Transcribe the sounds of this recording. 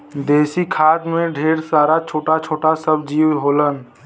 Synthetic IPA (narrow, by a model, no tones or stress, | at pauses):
d̪eːsikʰaːd̪mẽɖʱeːɾsaːɾat͡ʃʰoːʈat͡ʃʰoːʈasəbd͡ʒiːwɦoːlən